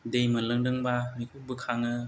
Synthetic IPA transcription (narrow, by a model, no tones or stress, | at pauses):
dejmalɯŋdɯŋbamikʰuk̚bɯkʰaŋɯ